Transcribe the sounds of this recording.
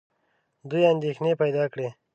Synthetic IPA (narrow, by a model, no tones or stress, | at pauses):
d̪ujand̪exnepajd̪ɑkɽe